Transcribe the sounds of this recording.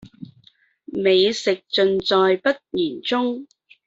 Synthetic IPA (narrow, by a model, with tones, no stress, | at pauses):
me˨˧jsɪ˨k̚t͡sɵ˧nt͡sɔː˨jpɐ˥t̚jiː˨˩nt͡sʊ˥ŋ